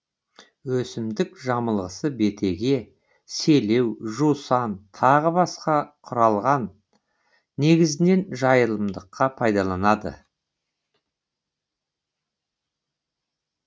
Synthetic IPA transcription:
wɵsɪmd̪ɪkʒɑməlˠʁəsəbe̞t̪ʰe̞ɡʲe̞ | se̞le̞wʒusɑnt̪ʰɑʁəbɑsqɑqʰʊɾɑlˠʁɑn | e̞ɡʲɪzɪne̞nʒɑjəlˠəmd̪əqːɑpʰɑjd̪ɑlˠɑnɑd̪ə̰

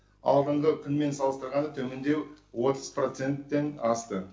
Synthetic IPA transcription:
ɑ̰lˠd̪əɴʁəkʲʰʏnme̞nsɑlˠəst̪əɾʁɑnət̪ʰɵmend̪e̞wwo̞t̪ʰəz̥pro̞t̪se̞nt̪ːe̞nɑst̪ə

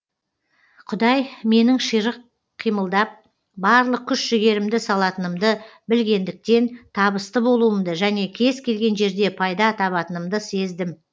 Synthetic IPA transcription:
qʰʊd̪ɑjme̞nɪŋʃijɾəq | qʰːijməlˠd̪ɑp̚ | bɑɾlˠəq̚kʲʰʏʃʒɪɡʲe̞ɾɪmd̪ɪsɑlˠɑt̪ənəmd̪əbɪlɡʲe̞nd̪ɪk̚t̪e̞nt̪ʰɑbəst̪əbo̞lˠuəmd̪əʒæne̞kʲʰe̞zkʲʰe̞lɡʲe̞nʒe̞ɾd̪e̞pʰɑjd̪ɑt̪ʰɑβɑt̪ənəmd̪əse̞zd̪ɪm

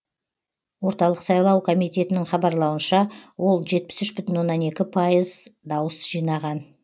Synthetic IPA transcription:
wo̞ɾt̪ɑlˠəqsɑjlˠɑwkʰo̞mijt̪e̞t̪ɪnɪŋχɑbɑɾlˠɑwənʃɑwo̞lˠʒe̞t̪̚pɪ̥sʏʃbʏt̪ʏnwo̞nːɑne̞kʲɪpʰɑjəzd̪ɑwəsʒijnɑʁɑn

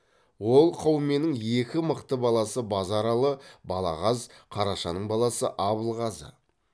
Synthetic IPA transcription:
wo̞lˠqʰɑwme̞nɪŋekʲɪməqt̪əbɑlˠɑsəbɑzɑɾɑlˠəbɑlˠɑ̰ʁɑzqʰɑɾɑʃɑnəɴbɑlˠɑsə̰ʔɑβəlˠʁɑzə̰

